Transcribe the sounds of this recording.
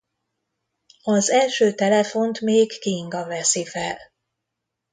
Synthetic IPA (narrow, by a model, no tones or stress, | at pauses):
ɒzɛlʃøːt̪ɛlɛfo̞nt̪meːɡːiŋɡɒvɛsifɛl